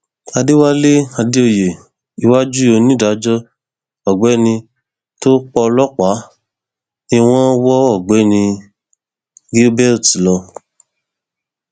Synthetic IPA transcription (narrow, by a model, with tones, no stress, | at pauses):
a˧de˦wa˦le˦a˧de˦o˧˨je˨ | i˧wa˦d͡ʒu˦o˧nĩ˦˨da˨˦d͡ʒɔ˦ | ɔ˨ɡ͡bɛ˨˦˨nĩ˧ | to˦k͡pɔ˧lɔ˦k͡pa˨˦ | ni˧w̃ɔ̃˦wɔ˦ɔ˦˨ɡ͡bɛ˨˦˨nĩ˧ | ɡi˦bɛ˦˨ɾti˨lɔ˧